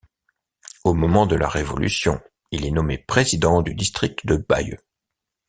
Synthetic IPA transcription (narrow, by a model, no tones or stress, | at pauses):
omɔmɑ̃d̪əla̰ʁevɔ̰ly̰sjɔ̰̃ | ilɛnɔmepχezid̪ɑ̃d̪yd̪ist̪χik̚t̪əd̪əba̰jø̰